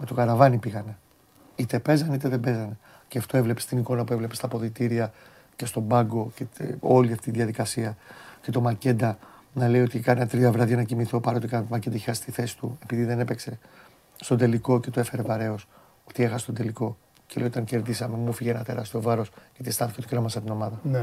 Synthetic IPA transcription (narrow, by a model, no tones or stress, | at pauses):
me̞t̪o̞kɐɾɐvɐnipiɣɐne̞ | it̪e̞pe̞zɐneit̪eðebe̞zɐne | ceaft̪o̞evlepe̞st̪iniko̞nɐpue̞vle̞pe̞st̪ɐpo̞ðit̪iɾiɐ | ce̞st̪o̞bɐŋɡo̞ceo̞liɐft̪it̪iðiɐðikɐsiɐce̞t̪o̞mɐce̞d̪ɐnɐle̞io̞t̪ikɐnet̪ɾiɐvɾɐðʝɐnɐcimiθopɐɾot̪ikɐmɐced̪ɐçixɐst̪iθe̞si̥t̪ue̞piðiðe̞ne̞pekse̞ | st̪o̞d̪e̞liko̞ce̞t̪oefe̞ɾe̞vɐɾe̞o̞s | ot̪iexɐsest̪od̪eliko̞ | celejot̪ɐŋce̞ɾðisɐme̞mufiʝenɐt̪e̞ɾɐst̪io̞vɐɾo̞sɐt̪ist̪ɐnθicet̪ceɾomɐsɐt̪ino̞mɐðɐ